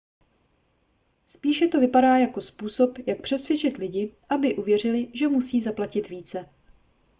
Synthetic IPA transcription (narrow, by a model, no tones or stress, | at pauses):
spiːʃɛt̪o̞vɪpadaːjako̞spuːso̞pjak̚pr̥ɛsvjɛt͡ʃɪt̪lɪɟɪʔabɪʔuvjɛr̝ɪlɪʒɛmusiːzaplacɪt̪viːt͡sɛ